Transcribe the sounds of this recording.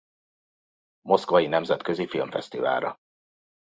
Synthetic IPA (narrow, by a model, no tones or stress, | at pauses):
mo̞skvɒjinɛmzɛt̪køzifilmfɛst̪iva̰ːɾɒ̰